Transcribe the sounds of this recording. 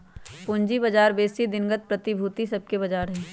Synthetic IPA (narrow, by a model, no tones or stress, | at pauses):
pʊɲd͡ʒibɐd͡ʒaːɾbeːsid̪ɪnɡət̪̚pɾɐt̪ibʱut̪isɐb̚kebɐd͡ʒaːɾɦɛː